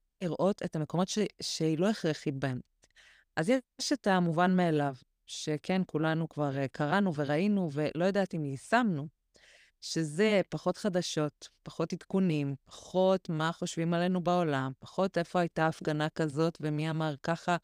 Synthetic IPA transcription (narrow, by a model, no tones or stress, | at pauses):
iʁʔo̞te̞thameko̞mo̞teʃeilo̞eχʁeχibent | ʔazjeeʃetamuvanmealav | ʃe̞kʰenkulanukvaʁkʰaʁanuve̞ʁainuve̞lo̞jodaːtimlisamnu | ʃe̞zepaχo̞tχadaʃo̞tpaχo̞titkunimpḁχo̞tmaχo̞ʃvimale̞nubao̞lampaχo̞te̞fo̞ajtaːfɡanakazo̞tve̞miamaʁkaχa